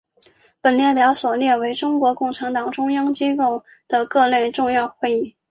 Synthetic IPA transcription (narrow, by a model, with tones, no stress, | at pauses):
pə˨˩nljɛ˥˩pjɑ˧˥ʊswɔ˨˩ljɛ˥˩we˧˥ɪʈ͡ʂʊ˥ŋkwɔ˧˥kʊ˥˩ŋʈ͡ʂʰa˧˥nt̪ɑ˨˩ŋʈ͡ʂʊ˥ŋjɑ˥ŋt͡ɕi˥ko˥˩ʊ | d̪̥ə˩kɤ˥˧le˥˧ɪʈ͡ʂʊ˥˧ŋjɑ˥˧ʊxwe˥˧ɪi˥˩